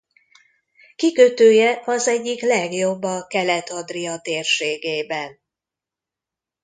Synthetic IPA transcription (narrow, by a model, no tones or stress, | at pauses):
kikøt̪øːjɛʔɒzɛɟːiklɛɡjo̞bːɒkɛlɛt̪ɒd̪rijɒt̪eːrʃeːɡeːbɛn